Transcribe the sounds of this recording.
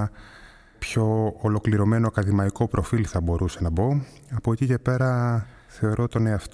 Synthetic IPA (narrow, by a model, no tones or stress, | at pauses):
pço̞ːlo̞kliɾo̞me̞no̞ɐkɐðimɐiko̞pɾʔo̞filθɐbo̞ɾʔuse̞nɐbo̞ | ɐpoecice̞pe̞ɾɐ | θe̞o̞ɾo̞t̪o̞neɐft̪